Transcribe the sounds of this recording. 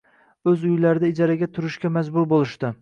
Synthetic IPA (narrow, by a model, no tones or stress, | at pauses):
ɵzʊjlaɾɪd̪aɪd͡ʒaɾaɡʲat̪ʰʊɾɪʃkʲamazbʊɾbolˠɪʃt̪ɪ